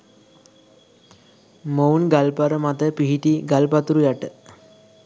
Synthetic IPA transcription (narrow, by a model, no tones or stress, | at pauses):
mownɡalpaɾəmat̪əpiɦiʈiɡalpat̪uɾujaʈə